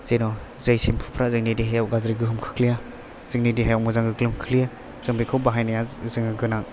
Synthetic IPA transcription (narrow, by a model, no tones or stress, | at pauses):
z̥ejnɔ | zɯjsempʰu̥pʰɾazɯŋnidiɦajawɡazɾiɡɯɦɯmkʰɯ̥kʰlija | z̥ɯŋnidiɦajawmɔzaŋɡɯɡɯlɯmkʰlija | z̥ɯŋbikʰɯwbaɦajnajazɯŋɯɡɯnaŋ